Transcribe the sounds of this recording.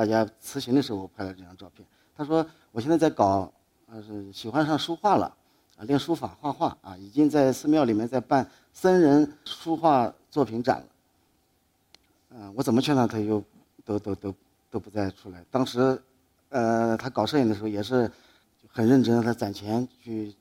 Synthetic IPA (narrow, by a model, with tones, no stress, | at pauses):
t̪a˥˩t͡ɕja˥t͡sʰɹ̩˧˥ɕi˧˥ŋd̪ə˧ʂɻ̩˧˥xo˧wɔ˨˩pʰa˥˧ɪlə˩ʈ͡ʂɤ˥˧jɑ˥˧ʈ͡ʂɑ˥˧ʊpʰjɛ˥˩n | t̪ʰa˥ʂwɔ˥ | wɔ˨˩ɕɛ˥˧nt͡sa˥˧t͡sa˥˩ɪkɑ˨˩ʊ | ə˧˥˩ɕi˨˩xwa˥nʂɑ˥˧ŋʂu˥xwa˥˩lə̰˩ | ə˧ljɛ˥˩nʂu˥fa̰˨˩xwa˥˧xwa˥˩ɐ̰˧i˨˩t͡ɕi˥ŋt͡sa˥˧ɪsɹ̩˥˧mjɑ˥˩ʊli˨˩mjɛ˥˧nt͡sa˥˧ɪpa˥˩n | sa˥nɻə˧˥nʂu˥xwa˥˧t͡swɔ˥˩pʰi˧˥nʈ͡ʂa̰˨˩nlə̰˦ | ə˧wɔ˧˥t͡sə˨˩mə˦t͡ɕʰɛ˥˩na˥˩t̪ʰa˥t͡ɕjo˥˩ʊ | t̪o˥ʊt̪o˥ʊt̪o˥ʊ | t̪o˥ʊpu˧˥t͡sa˥˧ɪʈ͡ʂʰu˥la˧˥ɪt̪ɑ˥ŋʂɻ̩˧˥ | ə˧t̪ʰa˥kɑ˨˩ʊʂɤ˥˩i˨˩nd̪ə˩ʂɻ̩˧˥˧jɛ˨˩ʂ̬ɻ̩˥˩ | t͡ɕo˥˩xə˨˩nɻə˥˩nʈ͡ʂə˥nd̪ə˧t̪ʰa˥˩t͡sa˨˩nt͡ɕʰjɛ˧˥nt͡ɕʰy˥˩